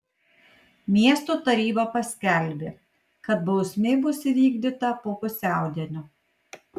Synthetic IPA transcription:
mʲiɛst̪ot̪ɐɾʲiːbɐpɐsʲkʲɛlʲbʲe | kɐt̪̚bɐʊsʲmʲeɪbʊsʲɪʋʲiːɡd̪ʲɪt̪ɐpoːpʊsʲæˑʊd̪ʲiɛnʲo

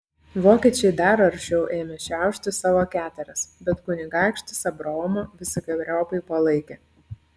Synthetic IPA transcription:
ʋoːkʲiːt͡ʃʲɛɪd̪ɐɾɐɾʲʃʲɛʊʔeːmʲɛʃʲæˑʊʃʲt̪ʲɪsɑːʋoːkʲæːt̪ʲɛɾʲɛsbʲɛt̪kʊnʲɪɡɑˑɪkʃʲt̪ʲɪsɐbɾoːmɐʋʲɪsʲɪɡɐbʲɾʲoːpɐɪpɐlˠɐɪkʲeː

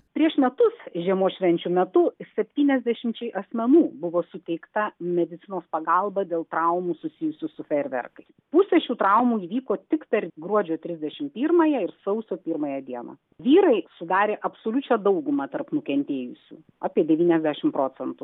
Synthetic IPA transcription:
pʲɾʲiɛʃmʲɛt̪ʊsʒʲiɛmoːʃʲʋʲɛnʲt͡ʃʲuːmʲɛt̪ʊsʲɛpʲt̪ʲiːnʲɛzʲd̪ʲɛʃʲɪmʲt͡ʃʲɛɪʔɐsʲmʲɛnuːbʊʋoːsʊt̪ʲɛɪkt̪ɐmʲɛd̪ʲɪt̪sʲɪnoːspɐɡɐlˠbɐd̪ʲeːlˠt̪ɾɐʊmuːsʊsʲɪjʊsʲʊsʊfʲɛrʲʋʲɛ̰rkɐɪspusʲɛʃʲuːt̪ɾɐʊmuːiːʋʲiːkoːt̪ʲɪkpʲɛɾɡɾuɔd͡ʒʲoːt̪ʲɾʲɪzʲd̪ʲɛʃʲɪmpʲiːɾmɐːjɛɪɾsɐʊsʲoːpʲiːɾmɐːjɛd̪ʲiɛnɐ̰ː | ʋʲiːɾɐɪsʊd̪ɑːɾʲeːʔɐpsoːlʲʊt͡ʃʲɛd̪ɐʊɡʊmɐt̪ɐrpnʊkʲɛnʲt̪ʲeːjʊsʲṵː | ɑːpʲiɛd̪ʲɛʋʲiːnʲɛzʲdʲæʃʲɪmpɾoːt͡s̪ʲɛnt̪u

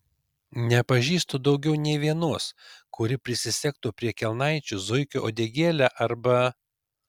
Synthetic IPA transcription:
nʲɛpɐʒʲiːst̪oːd̪ɒʊɡʲɛʊnʲɛɪʋʲiɛnuɔskʊɾʲɪpʲɾʲɪsʲɪsʲɛk̚t̪oːpʲɾʲiɛkʲɛlˠnɐɪt͡ʃʲʊzʊɪkʲʊʔoːd̪ʲeːɡʲeːlʲæːʔɐɾbɐ

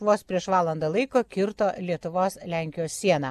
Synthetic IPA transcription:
ʋoːspʲɾʲiɛʃʋɑːlˠɐnd̪ɐlˠɐɪkoːkʲɪɾt̪oːlʲiɛt̪ʊʋoːslʲæˑŋʲkʲɪjoːsʲsʲiɛnɐː

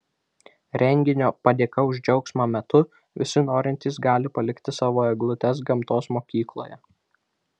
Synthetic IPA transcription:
ɾʲɛŋʲɡʲɪnʲoːpɐd̪ʲeːkɐʊʒʲd͡ʒʲɛʊksmɑmʲɛt̪ʊ | ʋʲɪ̰sʲɪnoːɾʲɪnʲt̪ʲiːsɡɑːlʲɪpɐlʲɪkt̪ʲɪsɑːʋoːɛɡlˠʊt̪ʲɛs̬ɡɐmt̪oːsmoːkʲiːklˠo̰ːjɛ

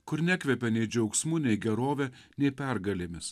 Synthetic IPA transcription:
kʊɾnʲækʋʲɛpʲɛnʲɛɪd͡ʒʲɛʊksʲmʊnʲɛɪɡʲɛɾoːʋʲɛnʲɛɪpʲæˑɾɡɐlʲeːmʲɪs

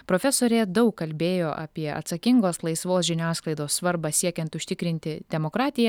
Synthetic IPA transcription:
pɾoːfʲɛsoːɾʲeːd̪ɐʊkːɐlʲbʲeːjoːʔɐ̰pʲiɛɐ̰t̪sɐkʲɪŋɡoːslˠɐɪsʋoːsʒʲɪnʲæːsklˠɐɪd̪oːssʋɐɾbɑsʲiɛkʲɛnt̪ʊʃʲt̪ʲɪkɾʲɪnʲt̪ʲɪd̪ʲɛmoːkɾɑːt̪ʲɪjɛ

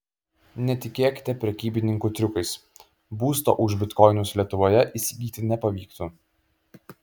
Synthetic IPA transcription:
nʲɛt̪ʲɪkʲeːkʲɪ̥t̪ʲɛpʲɾʲɛkʲiːbʲɪnʲɪŋkuːt̪ʲɾʲʊkɐɪs | buːst̪o̰ːʔʊʒʲbʲɪt̪kɔɪnʊslʲiɛt̪ʊʋoːjɛʔisʲɪɡʲiːt̪ʲɪnʲɛpɐʋʲiːkt̪uː

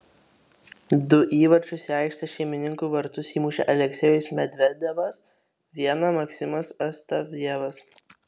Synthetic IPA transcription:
d̪ʊʔiːʋɐɾʲt͡ʃʲʊsʲɛˑɪkʃt̪ɐʃʲɛɪmʲɪnʲɪŋkuːʋɐɾt̪ʊsʲiːmuːʃʲɛʔɐlʲɛksʲɛjʊsmʲɛd̪ʲʋʲɛd̪ʲɛʋɐs | ʋʲiɛnɐmɐksʲɪmɐsɐst̪ɐʋʲɛʋɐs

